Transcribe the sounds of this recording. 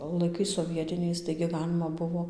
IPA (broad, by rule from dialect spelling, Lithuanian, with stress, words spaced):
lˠɐɪˈkɐɪs soːˈʋʲiɛtʲɪnʲɛɪs tɐɪɡʲɪ ˈɡɑːlʲɪmɐ ˈbʊʋoː